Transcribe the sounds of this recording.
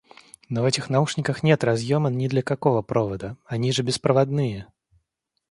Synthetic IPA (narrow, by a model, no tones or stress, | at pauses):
nɔvɛtʲɪxnauʂnʲɪkəxnʲɛt̪razjɔmənnʲɪd̪lʲɐkakɔvəpɾʔɔvəd̪əanʲiʐɨbʲɪspɾəvad̪̚nɨjə